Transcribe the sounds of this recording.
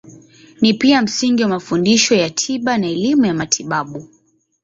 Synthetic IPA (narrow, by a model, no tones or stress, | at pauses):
nipiam̩siŋɡiwamafundiʃɔjatʰiɓanaɛlimujamatʰiɓaɓu